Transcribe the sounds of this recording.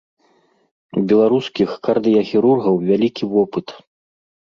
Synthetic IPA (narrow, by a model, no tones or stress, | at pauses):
bʲɛlˠaɾuskʲixkard̪ɨjɐxʲiɾurɣɐwvʲalʲikʲivɔpɨt̪